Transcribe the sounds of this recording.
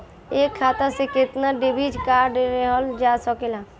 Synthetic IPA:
eːkʰːaːt̪aseket̪naɖebid͡ʒkaːɾɖeɾeɦɔld͡ʒaːsɔkela

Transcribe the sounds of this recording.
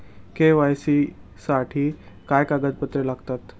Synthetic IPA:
keʋajsi | saʈʰiː | kajkaɡəd͡z̪pət̪ɾelaɡt̪at̪

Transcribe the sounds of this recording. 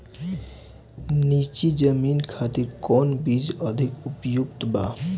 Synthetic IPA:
nit͡ʃid͡ʒəminkʰat̪iɾkɔnbid͡ʒəd̪ʱikupjuk̚t̪ba̰

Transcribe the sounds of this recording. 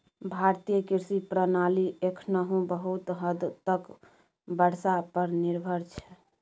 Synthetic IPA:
bʱaɾt̪ijəkiɾsipɾənaliʔekʰnəɦũbəɦut̪ɦəd̪t̪ək | bəɽ̤sapəɾniɾbʱəɾt͡ʃʰɛ

